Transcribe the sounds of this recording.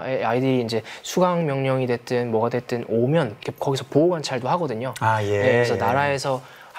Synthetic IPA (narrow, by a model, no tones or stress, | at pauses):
eaidɯɾiːnd͡ʑe̞sʰuɡaŋmjʌŋɲʌŋidwe̞t͈ɯnmwʌɡadwe̞t͈ɯnomjʌnkekʌɡisʰʌpouɡant͡ɕʰaɭdohaɡʌdɯɲoajeje̞kɯɾesʰʌnaɾae̞sʰʌ